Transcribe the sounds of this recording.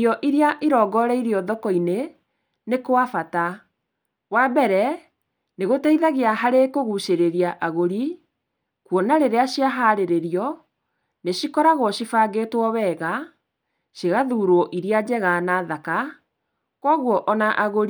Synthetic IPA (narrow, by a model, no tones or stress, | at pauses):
jɔʔiɾiaʔiɾɔɡɔɾɛiɾiɔðɔkɔine | nekowafata | wabɛɾɛ | neɣotaiðaɣeaɦaɾekoɣuʃeɾeɾiaʔaɣoɾi | kwɔnaɾeɾeaɕiaɦaɾeɾeɾiɔ | neɕikɔɾaɣɔɕifaɡetwɔβɛɣa | ʃeɣaðuːɾwɔʔiɾiad͡ʑɛɣanaðaka | kwɔɣwɔʔɔnaʔaɣoɾi